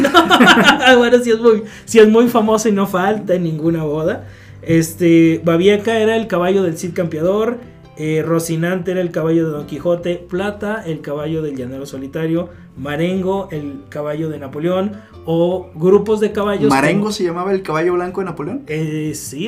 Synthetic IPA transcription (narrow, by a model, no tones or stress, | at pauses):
no | awaɾos̬iezmuj | siezmujfamo̞soino̞falt̪aenĩŋɡunaβo̞ða | est̪ebaβjekae̞ɾaelkaβaʝo̞ð̞e̞lsit̪̚kampjaðo̞ɾ | ero̞sinant̪eeɾaelkaβaʝo̞ðe̞ðo̞ŋkixo̞t̪e̞plat̪aelkaβaʝo̞ðe̞lʝaneloso̞lit̪aɾjo̞ | maɾeŋɡo̞elkaβaʝo̞ðe̞napo̞ljo̞n | oɣɾupo̞zðe̞kaβaʝoaɾeŋɡoseʝamaβaelkaβaʝo̞βlaŋkoðenapoljonesi